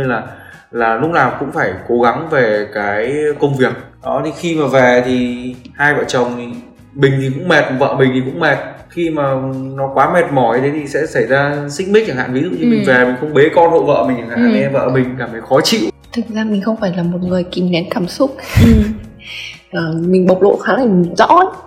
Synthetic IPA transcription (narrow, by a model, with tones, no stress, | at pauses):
ɲɨ˧laː˨˩ | laː˨˩lʊ˦˥k͡p̚laː˨˩mkʊ̰˧˥ŋ͡mfaː˧˩jko˨˦ɣa˨˦ŋve˨˩kaː˨˦jkə˧wŋ͡mvi˨˩ək̚ɗɔ˨˦t̪ʰi˨˩xi˧maː˨˩vɛ˨˩t̪ʰi˨˩haː˧jvə̰ː˧˨t͡ɕə˨˩wŋ͡mi˨˩ | ɓï˨˩ŋ̟t̪ʰi˨˩kʊ̰˧˥ŋ͡mmɛ˨˩t̚və̰ː˧˨mï˨˩ŋ̟t̪i˨˩kʊ̰˧˥ŋ͡mmɛ˨˩t̚xi˧maː˨˩nɔ˨˦kwaː˨˦mɛ˨˩t̚mɔ˧˩˧t̪ʰe˨˦jt̪ʰi˨˩sɛ̰˧˥sə˧˩jzaː˧sï̟˧˥mi˦˥k̚t͡ɕa˧˩ha̰ː˧˨nvi˨˦zɨ̰˧˨ɲɨ˧mï˨˩ŋ̟vɛ˨˩mï˨˩ŋ̟xə˧wŋ͡mɓe˨˦kɔ˧nho̰˧˨və̰ː˧˨mï˨˩t͡ɕa˨˩ŋhaː˧˨ɲɛ˧və̰ː˧˨mï˨˩ŋ̟kaː˧˩mt̪ə˨˦jxɔ˨˦t͡ɕḭ˧˨wt̪ʰɨ˨˩k̚zaː˧mï˨˩ŋ̟xə˧wŋ͡mfaː˧˩jlaː˨˩mo˨˩t̚ŋɨ˨˩əjki˨˩mnɛ˨˦nkaː˧˩msʊ˦˥k͡p̚ | ʔəː˨˩mï˨˩ŋ̟ɓə˨˩wk͡p̚lo̰˧˨xaː˨˦la˨˩mi˨˩ŋzɔ̰˧˥˦